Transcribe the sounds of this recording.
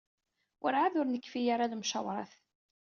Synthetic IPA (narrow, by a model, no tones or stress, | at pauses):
wʔəɾʕaðʊɾnəkːfijaɾaðmʃɑwɾˤɑθ